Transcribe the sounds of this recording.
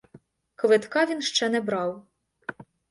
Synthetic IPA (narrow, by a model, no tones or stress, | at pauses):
kʋɪt̪kɑʋʲinʃt͡ʃɛnɛbɾɑw